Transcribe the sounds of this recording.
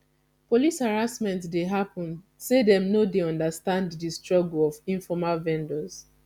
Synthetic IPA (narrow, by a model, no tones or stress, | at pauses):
polishaɹasmɛ̃ntsdeɦapɔ̃n | sedɛ̃mnodeɔ̃ndastãnddistɹɔɡlɔvĩɱfɔmalvɛ̃ndɔz̥